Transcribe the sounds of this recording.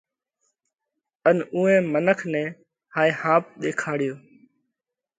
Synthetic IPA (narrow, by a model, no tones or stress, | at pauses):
ənũːɛ̃ːmənəkʰnɛ̃ː | haːeːhãːp̚ɗ̪eːkʰaːɽɪjoː